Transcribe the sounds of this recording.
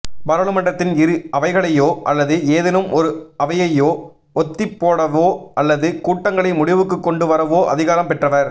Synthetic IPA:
bɐɾɐlɯmɐɳɖɐt̪ːɪnɪɾɯɐʋɐɪɣɐɭɐjoːʔɐlːɐðɯeːðɪnɯmʔɔɾɯɐʋɐjɐjoː | ɔt̪ːɪpːoːɽɐʋoːʔɐlːɐðɯkuːʈːɐŋɡɐɭɐɪmʊɽɪʋɯkːɯkːɔɳɖɯʋɐɾɐʋoːʔɐ̰ðɪɣaːɾɐmpɛʈrɐʋɐɾ

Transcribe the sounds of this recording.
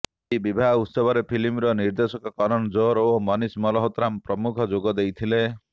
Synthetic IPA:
ibibʱaɦut̪sɔbʱɔɾepʰilimɾɔniɾd̪esɔkɔkɔɾɔnɔd͡ʒoɾomɔnismɔlɔɦɔt̪ɾampɾɔmukʰɔd͡ʒoɡɔd̪ejt̪ʰile

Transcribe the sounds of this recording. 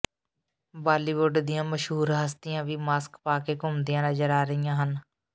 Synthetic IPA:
baːliːʋʊɖd̪ɪjãːməʃɦuːɾɦəst̪ɪjãːʋiːmaːskpaːkeːkʊmd̪ijãːnəd͡ʒəɾaːɾəijãːɦən

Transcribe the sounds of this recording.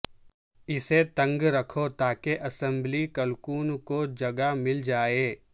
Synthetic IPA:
ɪset̪ɐ̃ŋɡɾɐkʰot̪aːkeʔɐsə̃mblikəlkuːnkod͡ʒɐɡamɪld͡ʒaːeː

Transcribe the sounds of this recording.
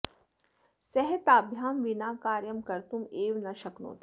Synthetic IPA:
sɛɦət̪aːbʱjaːmʋinaːkaːɾjəmkɐɾt̪umeːʋnɐʃɐkno̰ːt̪ʰ

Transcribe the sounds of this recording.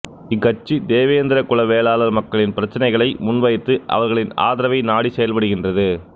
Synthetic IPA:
ɪkːɐt͡ʃːid̪eːʋɐjɐnd̪ɪɾɐkʊɭɐʋeːlaːlɐɾmɐkːɐɭɪnpɪɾɐt͡ʃːɪnɐɪɣɐɭɐɪmʊnʋɐjt̪ːɯʔɐ̰ʋɐɾɣɐɭɪna̰ːðɪɾɐʋɐɪnaːɽisɛjɐlpɐɽɯɣɪndrɐðɯ

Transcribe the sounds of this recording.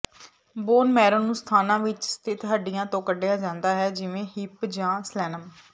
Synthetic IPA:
boːnmɛːɾõːnũːst̪ʰaːnãːʋɪt͡ʃst̪ʰɪt̪ɦəɖɪjãːt̪õːkəɖejaːd͡ʒãːnd̪aːɦɛːd͡ʒɪʋẽːhɪpd͡ʒãːslɛːnəm

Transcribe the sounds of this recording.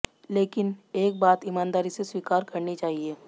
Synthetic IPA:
leːkɪneːk̚baːt̪ɪmãːnd̪aːɾiseswiːkaːɾkɐɾnit͡ʃaːɦieː

